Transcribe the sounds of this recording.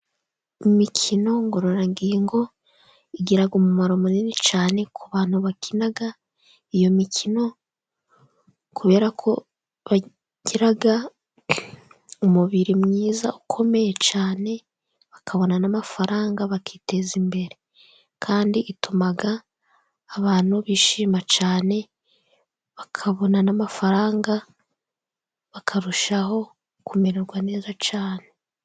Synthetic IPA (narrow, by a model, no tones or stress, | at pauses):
imikʰino̞ŋɡo̞ɾo̞ɾaŋɡiːŋɡo̞ | iɟiɾaɡumumaɾomuninit͡ʃaːne̞kʰuβaːn̥huβakʰinaɡa | ijo̞mikʰino̞ | kʰuβe̞ːɾakʰo̞̰ | βa | ɟ̥iɾaɡa | umuβiɾimŋiːza̰ukʰo̞me̞jet͡ʃaːne̞ | βakʰaβo̞nanamafaɾaːŋɡaβakiːte̞zimbe̞ɾe̞ | kʰaːndiʔitumaɡaː | βaːn̥uβiːʃiːmat͡ʃaːne̞ | βakʰaβo̞nanamafaɾaːŋɡa | βakʰaɾuʃaho̞ | kumeɾeɾɡwane̞ːzat͡ʃaːne̞